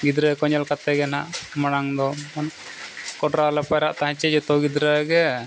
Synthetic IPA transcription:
ɡid̪ɾəkɔɲalkat̪ɛɡɛnaʔmanaŋd̪ɔmanaʔ | kɔɖɾalapajɾaʔt̪aɦãt͡ʃɛd͡ʒɛt̪ɔɡid̪ɾəɡɛ

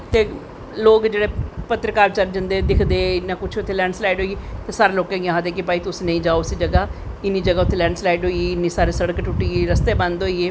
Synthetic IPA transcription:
t̪eː | loːkd͡ʒeːɽeːpət̪ɾəkaːɾt͡ʃəɾd͡ʒənd̪eːd̪ɪkʰd̪eːɪnːãːkʊt͡ʃʰʊt̪ʰːeːlɛːɳɖslaːɪɖɦoːit̪eːsaːɾeːloːkãːɡaɦãːd̪eːk̬epaːiːt̪ʊsiːnə̃ĩːd͡ʒaːoːʊsiːd͡ʒəɡaː | ɪnːiːd͡ʒəɡaːʊt̪ʰːeːlɛːɳɖslaːɪɖɦoːiɪnːiːsaːɾeːsəɽəkʈʊʈiːɾəst̪eːbənd̪ɦoːiːeː

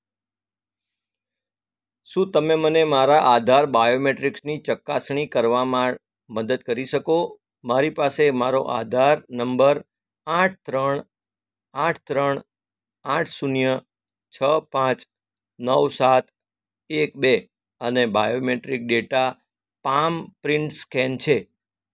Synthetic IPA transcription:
ʃũt̪əmemənemaɾaʔad̪ʱaɾbajomeʈɾiksnit͡ʃəkːasɳ̃ikəɾʋamã | məd̪əd̪kəɾiʃəko | maɾipasemaɾoʔa̰d̪ʱaɾnəmbəɾ | aʈ̚ʰt̪ɾəɳ | ãʈʰt̪ɾəɳ | aʈʰsunjə | t͡ʃʰəpãt͡ʃ | nəwsat̪̚ʰ | ekbe | ənebajomeʈɾik̚ɖeʈa | pampɾɪ̃ɳʈskɛnt͡ʃʰe

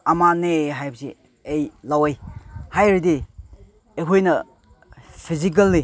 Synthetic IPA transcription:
amaneɦajbɐsi | ejlawejhajɾidi | ekʰojnɐ | pʰizik̬ɐlːi

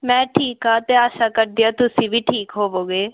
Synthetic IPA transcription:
mɛ̃ːʈʰiːkɦaːt̪eːaːʃaːkəɾd̪ɪjaːt̪ʊsĩːʋiːʈʰiːkɦoːʋoːɡeː

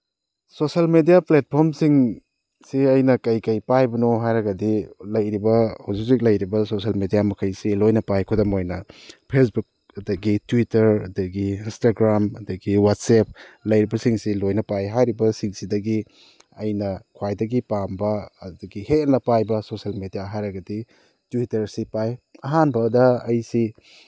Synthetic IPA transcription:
sosɐlmedijaplet̚pʰoɾmsiŋ | siɐjnɐkɐjkɐjpajbɐnɔɦajɾɐɡɐdilɐjɾibɐhawzuk̚zik̚lɐjɾibɐsosɐlmedijamɐkʰɐjsilojnɐpajkʰɔdɐmojnɐpʰes̬buk̚ | ɐdɐɡitwitɐɾɐdɐɡiːnstaɡɾamɐdɐɡiwat̚sep̚lɐjɾibɐsiŋsilojnɐpajɦajɾibɐsiŋsidɐɡi | ɐjnɐkʰwajdɐɡipambɐdɐɡihenɐpajbɐsosɐlmedijaɦajɾɐɡɐdi | tuwitɐɾsipajɐɦanbɐdɐːjsi

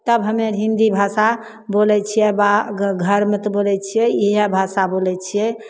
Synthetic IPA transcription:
t̪əbɦəmeɾɦind̪ibʱasa | bolɛt͡ʃʰijɛbaɡʱəɾmet̪ɔbolɛt͡ʃʰijɛiɦɛbʱasabolɛt͡ʃʰijɛ

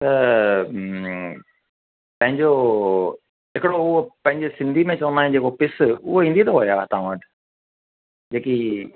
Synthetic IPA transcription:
t̪ɐ | pɐ̃ɦɪ̃ɲd͡ʑo | ɦɪkɪɽoʊɦopɐ̃ɦɪ̃ɲd͡ʑesɪ̃nd̪ʱimẽt͡ɕɐʋənd̪aːẽd͡ʑeːkopɪsʊɦoɦĩːnd̪it̪oɦojat̪ãʋəʈ | d͡ʑeːki

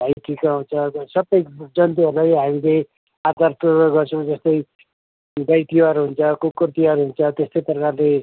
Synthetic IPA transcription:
bʱajʈʰikaɦunt͡sʰʌsʌbːʌjd͡zʌnt̪̬iɦʌɾlajɦamile | ad̪aɾproʌɡʌrt͡sʰʌ̃w̃d͡zʌst̪ʌj | d̪ʌjt̪iʌɾuɦunt͡sʰʌkukurt̪iʌɾuɦunt͡sʰʌt̪est̪ʌjprʌkarle

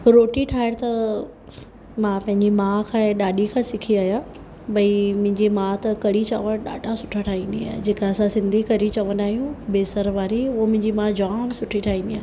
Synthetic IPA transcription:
ɾoːʈiʈʰaːɪɽt̪ɐ | mãpɐ̃ɦɪ̃ɲd͡ʑimãːkʰãːɗaːɗikʰãːsɪkʰiaːja | bɐimʊ̃ɦɪ̃ɲd͡ʑimãːt̪ɐkɐɽit͡ɕaʋəɽ̃ɗa̰ːɖʱasʊʈʰaʈʰaːɦĩːnd̪ia̰ːɦɪ̰d͡ʑeːkaɐsãsɪ̃nd̪ʱikɐɾit͡ɕɐʋənaːɦijũbeːsəɾʋaːɾiʊɦomʊ̃ɦɪ̃ɲd͡ʑimãːd͡ʑaːmsʊʈʰiʈʰaːɦĩːnd̪iaːɦ

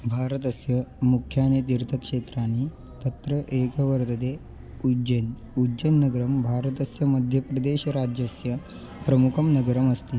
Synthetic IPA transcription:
bʱaːɾɐt̪ɐsjɐmukʰjaːnet̪̬iɾt̪ʰɐkʂeːt̪ɾaːni | t̪ɐt̪ɾɐʔeːkɐʋɐɾt̪ɐd̪eː | ud͡ʒen | ud͡ʒɐnːɐɡɐɾɐmbʱaːɾɐt̪ɐsjɐmɐd̪ʱjɐpɾɐd̪eːɕɐɾaːd͡ʒjɐsjɐ | pɾɐmukʰɐmnɐɡɐɾɐmɐst̪iː

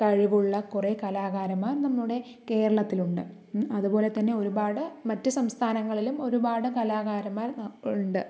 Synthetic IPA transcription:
kɐɻiʋuɭːɐkurekɐlaːɣaːɾɐmːaːrnɐmːuɽe̞ | ke̞ːɾɐɭɐt̪ːiluɳɖɨ̰ | ɐðubo̞ːle̞t̪ɐnːe̞o̞ɾubaːɽɨmɐtːɨsɐmst̪ʰaːnɐŋːɐɭilumo̞ɾubaːɽɨkɐlaːɣaːɾɐmːaːruɳɖɨ

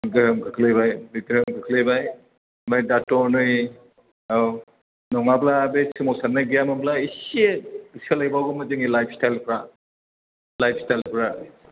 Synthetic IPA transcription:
mɯɡɯhɯmkʰɯkʰlebajbiɡɯɾɯmkʰɯkʰlebaj | majdatɔnɯj | aw | nɔŋablabesimosanːaɡijamamblaiseisʰalajbawɡɯmɯdɯŋilajpʰstajlpʰɾa | lajpʰstajlpʰɾa

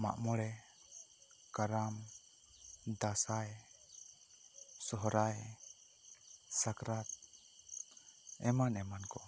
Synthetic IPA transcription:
ma̰ʔmɔɽɛ | kaɾam | d̪asaj | sɔɦɔɾaj | sakɾat̪̚ | ɛmanɛmankɔ

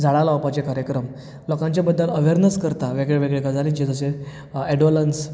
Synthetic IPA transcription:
d͡zʱaɭalaapat͡ɕekaɾjəkɾəm | lɔkãɲt͡ɕjabəd̪ːələʋeɾnəskəɾt̪aʋeɡɭeʋeɡɭekad͡zʱalit͡ɕed͡zəse | ɛɖʋoləns

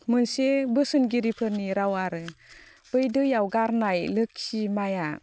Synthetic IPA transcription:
mɯnsebɯsɯnɡiɾipʰɯɾniɾawaɾɯ | b̥ɯjdɯjawɡaɾnajlɯk̚simaja

